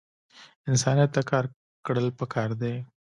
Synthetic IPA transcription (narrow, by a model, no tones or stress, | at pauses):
ɪnsɑnijat̪ːakɑɾ | kɽəlpəkʰɑɾd̪e